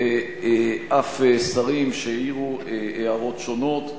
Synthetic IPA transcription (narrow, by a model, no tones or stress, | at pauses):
e | ʔafesaʁimʃeiʁueeaʁo̞t̪ʃo̞no̞t̪